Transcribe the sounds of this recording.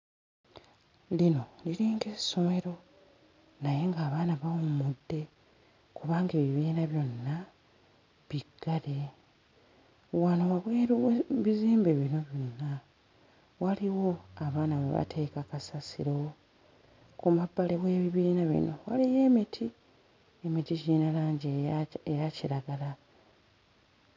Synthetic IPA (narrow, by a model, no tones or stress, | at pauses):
lino̞liɾiːŋɡe̞so̞me̞ɾo̞ | naje̞ŋɡaːβaːnaβawomudːe̞ | kuβaːŋɡe̞ːβiβiːnaβjo̞nːa | βiɡ̥ːale̞ | wanowaβweːɾuwβiziːmbeβino̞βjo̞nːa | waliwo̞aβaːnaβḛβa̰tʰe̞ːkakasasḭɾo̞ | kumabalewe̞ːβiβiːnaβḭno̞walije̞ːmitʰi | emiticinalaːɲɟeejaciɾaɡala